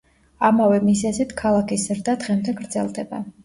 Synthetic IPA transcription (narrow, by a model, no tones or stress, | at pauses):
amavɛmizɛzit̪ʰkʰalˠakʰiszɾd̪ad̪ʁɛmd̪ɛɡɾd̪zɛlˠd̪ɛba